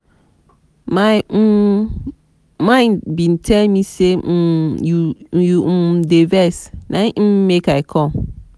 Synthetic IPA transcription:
ma | mãɪ̃nbĩntʰɛlmisejujudevɛsnãmmekaɪkʰɔ̃m

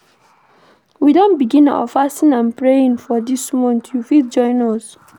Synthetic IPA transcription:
widõnbiɡĩna̰wə̰fastĩnãnpɹeĩnfɔdismɔ̃ntjufild͡ʒɔ̃ɪ̃nɔs

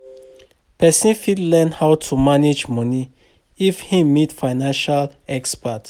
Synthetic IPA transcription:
pɛsĩnfidlɛnhawtʰumaned͡ʒmɔni | ifhimitfaɪnãnʃalɛkspat

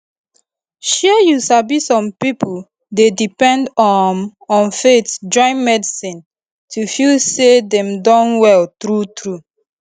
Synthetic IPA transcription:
ʃɛjusabisɔ̃mpipu | dedipɛ̃ndɔnɔ̃nfetd͡ʒɔ̃ɪ̃nmɛdisĩn | tʰufilsedɛ̃mdɔ̃nwɛltɹutɹu

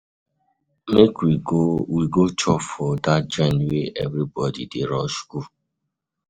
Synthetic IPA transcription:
mekwiɡowiɡot͡ʃɔfɔdat̚d͡ʒɛ̃ndweʔɛvɾibɔdḭdeɾɔʃku

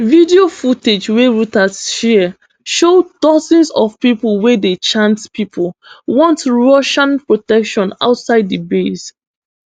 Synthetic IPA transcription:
vidiofuted͡ʒweɹutasʃi | ʃodɔzɛ̃nsɔvpipulˠwedet͡ʃãntpipʰʊlwɔ̃ntɹoʃãnpɹɔtɛkʃɔ̃na̰ʊtsaɪdibes

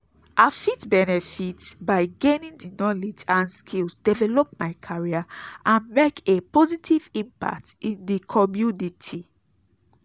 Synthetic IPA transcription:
ʔafitbɛnɛfitbaɪɡẽnĩndinɔled͡ʒãnskʰilsdɛvɛlɔp̚maɪkʰaɹiaãnmekepɔzitʰivĩmpa̰k̚tĩndikʰɔmjunitʰi

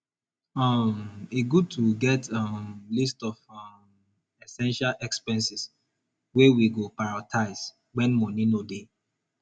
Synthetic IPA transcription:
ameɡud̚tʰuɡɛtamlistɔvam | ɛsɛ̃nʃalʔɛkspɛ̃nsis | wɛwiɡopaɹatʰaɪs | wɛ̃nmɔnĩnode

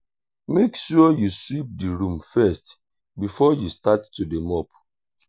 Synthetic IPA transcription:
mekʃɔjuslip̚diɹũmfɛst | bifɔjustatːudemɔp

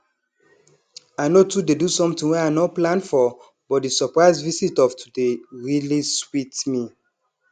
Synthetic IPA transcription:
aɪnotudedusɔ̃mtĩŋwɛanɔplãnfɔ | bɔt̚disɔpɹaɪzvisitɔvtʰu̥deɹiliswitmi

